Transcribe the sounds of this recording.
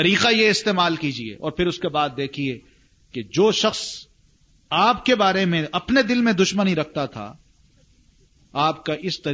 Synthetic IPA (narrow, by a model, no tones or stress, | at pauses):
t̪ɐɾiːqajeɪst̪eːmaːlkiːd͡ʒiḛːʔɔ̰ːɾpʰɪɾʊskebaːd̪̚ːeːkʰie | ked͡ʒoːʃɐxs | aːpkebaːɾemẽʔɐpned̪ɪlmẽd̪ʊʃməniɾɐk̚ʰt̪at̪ʰa̰ | aːpkaʔɪst̪ɐ